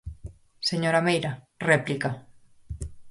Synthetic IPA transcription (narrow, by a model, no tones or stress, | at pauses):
seɲoɾamejɾa | replika